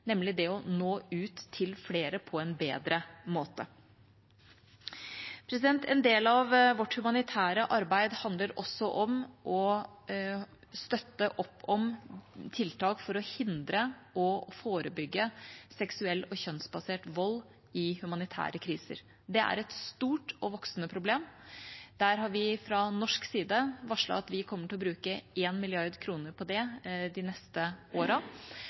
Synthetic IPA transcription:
nɛmlɪd̪ɛɔnoːʉːt̪ʰːɪlfleːɾəpʰɔɛnbeːd̪ɾəmoːt̪ə | pʰɾɛs̬ɪd̪ɛnt̪ʰɛnd̪eːlɑʋʋɔʈːhʉmɑnɪt̪ʰæːɾəʔɑɾbæɪd̪hɑnd̪ləɾʔɔsːɔʔɔmʔɔ | st̪œt̪ːəʔɔpːɔmt̪ʰɪlt̪ʰɑːkfɔɾɔhɪnd̪ɾəʔɔfoːɾəbʏɡːəsɛksʉɛlːɔçœnsbɑseːʈʋɔlː | ɪhʉmɑnɪt̪ʰæ̰ːɾəkʰɾiːsə̰ɾ | d̪ɛʔæ̰ɾɛt̪st̪uːʈɔʋɔksnəpʰɾʊbleːmd̪̥æɾɦɑɾʋɪfɾɑnɔʂksiːd̪əʋɑʂɭɑ̰ɑt̪ʋɪkʰɔmːəʈɪlɔbɾʉːkəʔeːnmɪlɪɑɾd̪kʰɾuːnəɾpʰɔd̪ɛd̪ɪnɛst̪əʔoːɾə

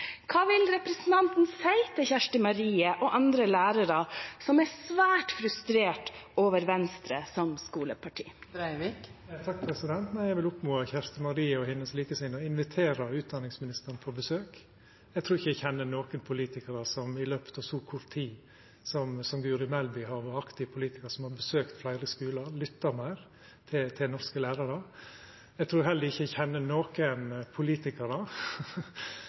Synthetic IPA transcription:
kʰɑːʋɪlɾɛpɾɛsən̩t̪ʰɑnt̪n̩sæɪt̪ʰɪçæʂʈəmɑɾiːəʔɔʔɑnd̪ɾəlæːɾəɾəsɔmæsʋæːʈfɾʉst̪ɾeːʈoːʋəɾʋɛnst̪ɾəsɔmskuːləpʰɑʈʰḭ̥ːɾæɪʋikt̪ʰɑk̚pʰɾɛsɪd̪ɛnt̪næɪjæʋɪlʊpmuːɑçæʂt̪əmɑɾiːəɔhɪnəsliːkəsɪnːɔɪnʋɪt̪ʰeːɾəʉːt̪̚d̪ɑnɪŋsmɪnɪst̪əɾnpʰɔbəsøːk | ɛɪɡt̪ʰɾuːɾɪçəæçɛnːənoːkənpʰʊliːt̪ɪkəɾəsɔmɪløːpə̥t̪ɑʋsuːkʰʊɾt̪ʰiː | sɔmsɔmɡʉːɾɪmɛlbɪhɑɾʋɑɾɑkt̪ɪʋpʰʊliːt̪ɪkəɾsɔmhɑɾbəsøːkt̪flæɪɾəskʉːlɑlʏt̪ːəɾmæɪɾ | t̪ʰɪt̪ʰɪnɔɾskəlæːɾɑɾə | ɛɪɡt̪ʰɾuːɾhɛld̪əɾɪçːəɛçɛnːənoːkənpʰʊliːt̪ɪkəɾdɑ

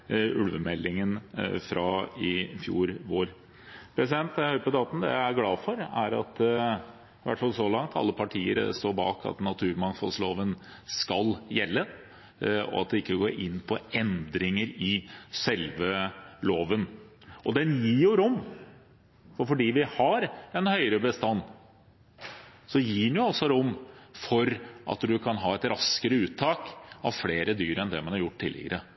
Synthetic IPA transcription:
ʉlʋəmɛlːɪŋənfɾɑɪfjṵːɾʋoːɾ | pʰɾɛs̬ɪd̪ɛnt̪hœʏpəd̪ɑːt̪n̩d̪ɛ̰æɪæɾɡlɑːfɔɾæɾɑ̰t̪ | ʋæ̰ʈːfɑlsɔlɑŋt̪ʰɑ̰lːəpʰɑʈʰiːə̰ɾst̪oːɾbɑ̰ːkʰɑ̰t̪nɑt̪ʰʉːɾmɑnfɑlsloːʋən | skɑljɛlːə | ɔ̰ɑt̪̚d̪ɛɪkːəɡoːɾʔɪnːpʰɔɛnd̪ɾɪŋəɾɪsɛlʋəloːʋən | ʔɔd̪ɛnjiːjʊɾʊmː | fɔɾfɔɖiːʋɪhɑɾɛnhœʏɾəbəst̪ɑnː | sɔjiːɳɛjʊɔsɔɾʊmːfɔɾʔɑ̰t̪d̪ʉkʰɑnɦɑːɛt̪ɾɑskəɾəʉːt̪ʰːɑːkɑʋfleːɾəd̪yːɾəɾɛnd̪ɛmɑnhɑɾjʊʈ̚ːt̪ʰːɪlːɪ̰ɡə̰ɾʔə

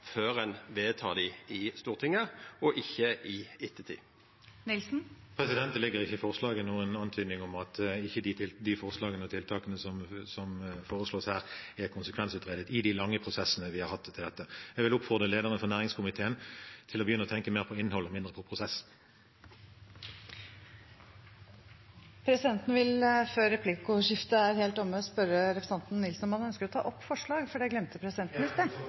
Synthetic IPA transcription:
føːʁənʋeːt̪ʰɑːd̪ɪɪst̪uːʁt̪ʰɪŋːəɔʔɪçːəɪɪt̪ʰːət̪ʰḭː | nɪlsn̩pʰʁɛsɪd̪ɛnt̪lɪɡːəʁɪçːəɪfɔʁslɑːɡənuːənɑnt̪ʰyːd̪nɪŋɔmɑt̪ɪçːəd̪ɪd̪ɪfɔʁslɑːɡənəɔt̪ʰɪlt̪ʰɑːkənəsɔmsɔmfoːʁəsloːshæːʁɛʁkʰʊnsəkʰʋɛnsʉːt̪ʁeːd̪ət̪ɪd̪ɪlɑŋːəpʰʁʊsɛsənəʋɪhɑʁhɑt̪ʰːɪld̪ɛt̪ːəjɛɡʋɪlʊpfɔʁd̪ʁəleːd̪əʁənəfɔʁnæːʁɪŋskʰʊmɪt̪ʰeːənt̪ʰɪlɔbəjʏnəɔt̪ʰɛŋkəmeːʁpʰɔɪnhɔlɔmɪnd̪ʁəpʰɔpʰʁʊsɛs | pʰɾɛsɪd̪ɛnt̪nəʋɪlføːɾɛpʰlɪkʊʂɪft̪əæɾheːlt̪ɔmːəɔspœɾəɾɛpɾəsɛnt̪n̩nɪlsn̩ɔmhɑnœnskəɾɔt̪ʰɑ̰ːʔɔpːfɔʂɭɑːɡfɔɖɛɡlɛmt̪əpʰɾɛsɪd̪ɛnt̪n̩ɪst̪e

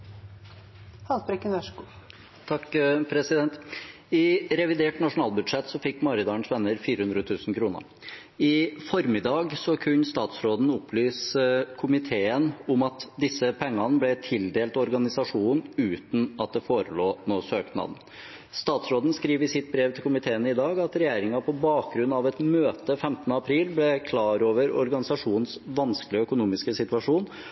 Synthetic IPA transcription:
hɑlbɾɛkːənœʂku | t̪ʰɑkpʰɾɛsɪd̪ɛnt̪ | ɪɾɛʋɪd̪eːʈnɑʂʊnɑːlˠbʉd̪ʂɛt̪ːsɔfɪkːmɑɾɪd̪ɑːɳsʋɛnːəɾfiːɾəhʉnd̪ɾət̪ʰʉːsn̩kʰɾuːnə̰ɾ | ɪfɔɾmɪd̪ɑːɡsɔkʰʉɲst̪ɑːt̪sɾoːd̪n̩ʊpːlyːskʰʊmɪt̪ʰeːənʊmɑt̪d̪ɪsːəpʰɛŋːɑnəblɛt̪ʰɪld̪eːlt̪ɔɾɡɑnɪsɑʂuːnʉːt̪n̩ɑt̪̚d̪ɛfoːɾəloːnoːsøːknɑ̰ːd̪n̩ | st̪ɑːt̪sɾoːd̪n̩skɾiːʋəsɪt̪̚bɾeːʋt̪ʰɪlkʰʊmɪt̪ʰeːənəɪd̪ɑːɡɑt̪ɾɛjeːɾɪŋɑpʰɔbɑːk̚ɡɾʉnːɑʋɛt̪møːt̪əfɛmt̪nəɑpʰɾiːlblɛkʰlɑːɾoːʋəɾɔ̰ɾɡɑnɪsɑʂuːnn̩sʋɑnsklɪəœkʊnuːmɪskəsɪt̪ʋɑʂuːn

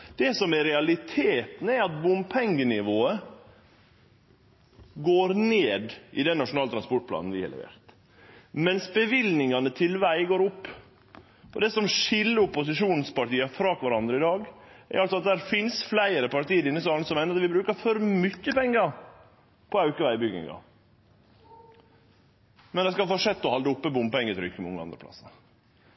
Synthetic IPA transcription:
d̪̥ɛsɔmɛɾɛɑlɪt̪ʰeːt̪nəɛɾɑt̪̚bʊmpʰɛŋɡənɪʋoːə | ɡoːɾneːd̪ʔɪd̪ɛnːɑʂʊnɑːlt̪ɾɑnspɔʈ̚pʰlɑ̰ːn̩ʋɪ̰hɑ̰lɛ̰ʋḛːɾt̪ | mɛnsbəʋɪlnɪŋɑnət̪ʰɪlʋæɪɡoːɾʊpː | ʔɔd̪ɛsɔmʂɪlːəʊpːʊsɪʂuːnn̩spɑʈiːɑfɾɑːkʋæɾɑnd̪ɾəɪd̪ɑːɡæ̰ɾɑlsɔɑt̪̚d̪æɾfɪnsflæɪəɾəpɑɾt̪iːəɾɪnːəs̬ɑːln̩sɔmæɪnɾɑt̪ʋɪbɾʉːkəfɔɾmʏçːəpɛŋːəɾ | pʰɔɑʉkəʋæɪbʏɡɪ̰ŋɑ̰ | mɛnd̪ɛskɑlfɔʂɛt̪ːɔhɑld̪əʊpːəbʊmpɛŋːət̪ɾʏkːəmʊ̰ŋːəɑ̰nd̪ɾəplɑ̰sɑ

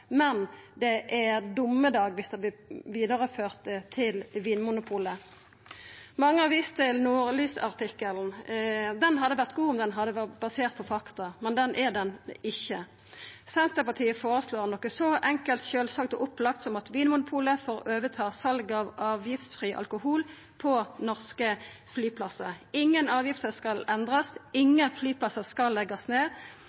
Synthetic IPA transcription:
mɛnd̪ɛʔæʁd̪ʊmːəd̪ɑːɡʋɪsd̪ɛʋɪʋiːd̪ɑʁəføːʁt̪ət̪ʰɪlʋiːnmʊnʊpʰuːlə | mɑŋːəɑʋiːst̪ʰɪlnuːɾlyːsɑ̰ʁt̪ɪkːəln̩d̪ɛnɦɑd̪əʋæʁt̪ɡuːʊmd̪ɛnɦɑd̪ːəʋæbɑseːʁt̪̚pʰɔfɑkt̪ɑmɛnd̪ɛnʔæʁd̪ɛnɪçːə | sɛnt̪əpɑʁt̪ʰiːəfoːʁəsloːʁnɔkːəsɔʔɛŋkəlt̪çøːlsɑk̚t̪ɔʔʊplɑkt̪sɔmɑt̪ʋiːnmʊnʊpʰuːləfoːʁʔøːʋət̪ʰɑːsɑlɡɑʋɑːʋjɪft̪sfʁiːʔɑ̰lkʊhuːl | pʰɔnɔʁskəflyːpʰlɑsːəɪŋːənɑːʋjɪft̪əskɑlɛnd̪ʁɑsɪŋːənflyːpʰlɑsəskɑlːɛɡɑsneː

